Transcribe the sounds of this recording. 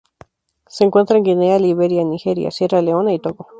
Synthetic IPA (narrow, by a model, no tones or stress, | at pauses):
seeŋkwent̪ɾaeŋɡinealiβeɾjanixeɾija̰seraleonait̪oko